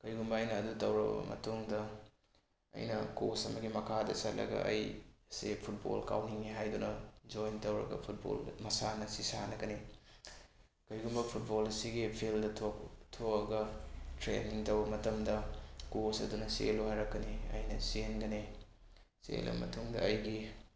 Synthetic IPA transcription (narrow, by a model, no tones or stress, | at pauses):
kɐjɡumbɐːjnɐːdutɐwɾɐ̰bɐ̰mɐ̰tuŋdɐ | ɐ̰jnɐkosɐmɐɡimɐkʰadɐ̰sɐt̚lɐ̰ɡɐ̰ʔɐjsepʰut̚bo̰lka̰wniŋiɦajdunɐd͡ʒojntɐwɾɐ̰ɡɐ̰pʰut̚bo̰lmɐsanɐsisa̰nɐɡɐni | kɐjɡumbɐpʰut̚bolɐsiɡipʰildɐtʰotʰoɐɡɐtɾḛniŋtɐwbɐmɐtɐmdɐkosɐdunɐseluɦajɾɐkːɐniɐ̰jnɐsenɡɐni | sḛlɐ̰mɐ̰tuŋdɐ̰ɐjɡi